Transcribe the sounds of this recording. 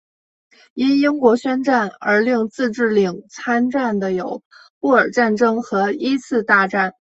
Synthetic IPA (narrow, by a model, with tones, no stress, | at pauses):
i˥ni˥ŋkwɔ˧˥ɕɥɛ˥nʈ͡ʂa˥˩nə̰˞˧˥li˥˧ŋt͡sɹ̩˥˧ʈ͡ʂɻ̩˥˩li˨˩ŋt͡sʰa˥nʈ͡ʂa˥˩nd̪ə˩jo˨˩˦ʊ | pu˥˩ə˞˨˩ʈ͡ʂa˥˩nʈ͡ʂɤ˥ŋxɤ˧˥i˥t͡sʰɹ̩˥˧t̪a˥˧ʈ͡ʂa˥˩n